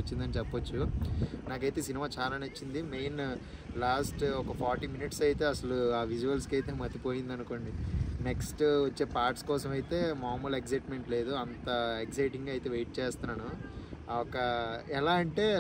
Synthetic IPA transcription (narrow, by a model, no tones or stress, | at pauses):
t͡ʃːind̪ɐnit͡ʃɛpːɐt͡ʃːunaːkɐjt̪e̞ːsinimaːt͡ʃaːlaːnɐt͡ʃːind̪imeːn | laːsʈɔkɐpʰaːɾʈiːminiʈsɐjt̪e̞ːɐsɐluaːʋid͡ʒuʋɐlskɐjt̪eːmɐt̪ipo̞ːjind̪ɐnuko̞ːɳɖineksʈʋɐt͡ʃːe̞ːpaːɾʈskɔːsɐmɐjit̪e̞ːmaːmulekzɐjʈme̞ɳʈle̞ːd̪uɐnt̪ɐeksɐjʈiŋɡɐjt̪e̞ːʋejʈ̚t͡ʃeːst̪unaːnu | ɔkɐɛlaːɐɳʈe̞ː